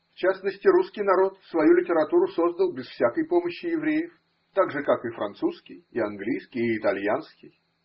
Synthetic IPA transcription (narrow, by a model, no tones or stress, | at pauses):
ft͡ɕasnəsʲtʲɪɾuskʲɪjnɐɾo̞t̪svɐjulʲɪtʲɪɾɐt̪uɾʊso̞zd̪əlˠbʲɪsfsʲakəjpo̞məɕːɪjɪvɾʲejɪf | t̪aɡʐɨkakɨfɾɐ̰nt̪suskʲɪjɪɐnɡlʲijskʲɪjːt̪ɐlʲjanskʲɪj